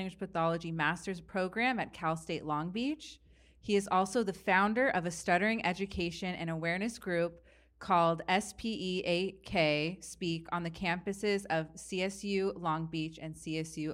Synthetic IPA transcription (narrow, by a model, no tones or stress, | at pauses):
ɪ̃ŋɡwɨʒ̥pʰəθɑlˠəd͡ʒimæstə˞z̥pʰɹ̥oʊɡɹæ̃mɨt̚kʰalˠsteɪʔˡlɔ̃ŋbit͡ʃ | hiɨzɔlˠsoʊðɨfãʊ̃ndə˞ʔʌvɨstʌɾə˞ɪ̃ŋʔɛd͡ʒɨkʰeɪʃɨ̃nʔɨ̰̃ñəwɛɹnɨsɡ̥ɹʉp̚ | kʰɔlˠdɛspʰiʔieɪkʰeɪspikn̩ðɨkʰæ̃mpɨsɪzʌv̥siɛsjʉlɔ̃ŋbit͡ʃɨ̃nsiɛsjʉ